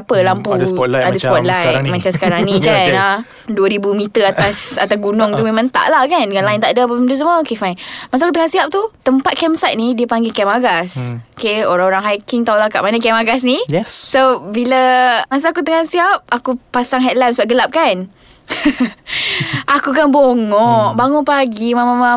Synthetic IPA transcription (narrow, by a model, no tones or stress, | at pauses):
apəlampudsadaspɔt̪̚lajmãt͡ʃamsə̥kaɾaŋnĩkana | duəɾibumit̪əat̪asa̰t̪aɡunɔŋt̪umemãŋnt̪a̰ʔlahkankanlaɪnt̪aʔdəap̬əmt̪us̬əməokefajnmasaakut̪əŋãsiap̚t̪ut̪əmpat̪̚kɛmsat̪̚nidiəpaŋɡikɛmaɡasokeoɾaŋoɾaŋɦajkiŋt̪awlaka̰ʔmanəkɛmaɡas̬nijɛssobiləmas̬aakut̪əŋansiap̚akupasaŋɦɛt̪̚lɛmsəbaɡəlap̚kan | ʔakukanboŋɔʔbaŋɔnpaɡimamamã